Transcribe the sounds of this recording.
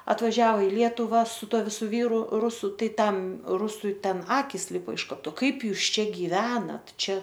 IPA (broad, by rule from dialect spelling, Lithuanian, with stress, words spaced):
ɐtʋɐˈʒʲæːʋoː ɪ ˈlʲiɛtʊʋɐ sʊ ˈtuɔ ʋʲɪˈsʊ ˈʋʲiːrʊ ˈrʊsʊ ˈtɐɪ tɐm ˈrʊsʊɪ ˈtʲɛn ˈɑːkʲɪs ˈlʲɪpoː ɪʃ ˈkoː ˈtʊ ˈkɐɪp ˈjuːs ˈt͡ʃʲɛ ɡʲɪˈʋʲæːnɐt ˈt͡ʃʲɛ